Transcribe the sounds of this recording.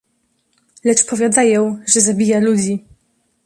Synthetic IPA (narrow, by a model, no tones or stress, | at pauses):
lɛt͡ʂpɔvʲjad̪ajɔ̃wʐɛzabʲijalud͡ʑi